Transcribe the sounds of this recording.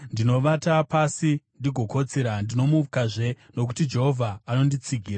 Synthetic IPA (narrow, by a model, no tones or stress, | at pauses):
ndino̞ʋatapasindiɡʱo̞ko̞t͡seɾandino̞mukaʐe̞ | no̞k̬utid͡ʒe̞ɦo̞vʱaːno̞ndit͡siɡʱiːra